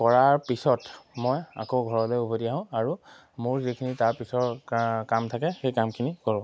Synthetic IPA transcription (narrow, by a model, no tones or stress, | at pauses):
kɔɹaɹpisɔtmɔja̰koɡʱɔɹɔlɔjubʱodiaɦʊ̃aɹu | mʊɹzikʰinitaɹpisɔɹkamtʰakɛxejkamkʰinikɔɹʊ̃